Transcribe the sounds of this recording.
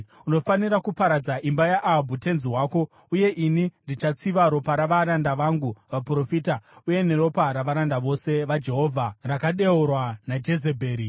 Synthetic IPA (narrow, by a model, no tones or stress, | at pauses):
uno̞faniɾakupaɾad͡zaʔimbajaʔaɦbʱute̞nziɦwaːko̞ | uje̞ʔinindit͡ʃat͡siʋaɾo̞paɾaʋaɾandaʋaŋɡuʋapro̞fiːtauje̞ne̞ɾo̞paɾaʋaɾandaʋo̞se̞ʋad͡ʒe̞ɦo̞vʱarakaɗe̞oɾwanad͡ʒe̞ze̞bʱe̞ːɾi